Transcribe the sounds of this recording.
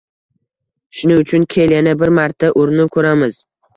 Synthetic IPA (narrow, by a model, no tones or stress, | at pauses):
ʃʊnɪʊt͡ʃʰʊnkʲʰeljanabɪɾmaɾt̪ʰːaʔʊɾnɪkʰɵɾamɪz